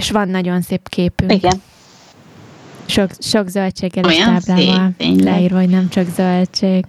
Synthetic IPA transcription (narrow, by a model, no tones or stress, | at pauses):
eʃʋɒnːɒɟo̞nseːpkʰeːpyikɡɛn | ʃokʃo̞ɡzølt͡ʃeːɡɛlet̪aːblaːvɒllɛiːrʋɒɦoɟnɛmt͡ʃɒɡzølt͡ʃeːɡ̥